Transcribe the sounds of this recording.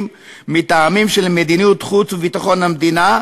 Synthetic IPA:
mː | it̪aːmimʃelmed̪inijut̪χut͡svvit̪aχo̞namd̪ina

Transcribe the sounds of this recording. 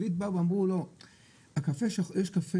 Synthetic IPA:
it̪̚bavamʁulo | akafeʃajeʃkafe

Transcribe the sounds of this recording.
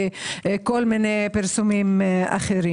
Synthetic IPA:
kolminejpiɾsumima̰χeɾi

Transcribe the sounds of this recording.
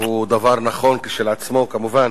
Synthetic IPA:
hud̪avaʁnaχo̞nkiʃelat͡smo̞kamuva

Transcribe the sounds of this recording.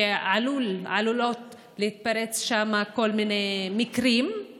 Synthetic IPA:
eʕalulʕa̰lulot̪ | leit̪̚paɾet͡sʃamakolminemikɾim

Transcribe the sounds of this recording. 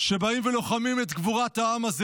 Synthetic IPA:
ʃe̞baimvelo̞χamimet̪ɡvuʁathaamaz

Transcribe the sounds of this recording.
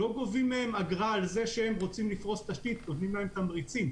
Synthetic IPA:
o̞ɡo̞vimːehemaɡʁalze̞ʃehemʁo̞t͡simlifʁo̞st̪aʃt̪it̪not̪nimleemt̪amʁit͡sim

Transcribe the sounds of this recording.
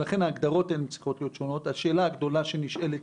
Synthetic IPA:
laχenaːɡd̪aʁo̞tenmet͡si̥χo̞t̪lijotʃo̞no̞t̪haʃe̞ːlaːɡd̪o̞laʃeniʃele

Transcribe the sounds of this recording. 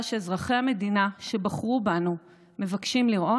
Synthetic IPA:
ʃezʁaχeame̞dinaʃe̞baχʁubanu | me̞vakʃimliʁo̞

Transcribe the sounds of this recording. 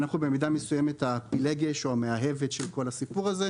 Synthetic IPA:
naχube̞midamesuje̞me̞thapileɡeʃoameaɦe̞vet̪ʃelko̞lasipuʁaze

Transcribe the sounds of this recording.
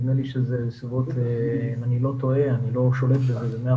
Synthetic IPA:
neliʃezesivot̪emanilo̞t̪o̞eanilo̞ʃo̞let̪bezezemea

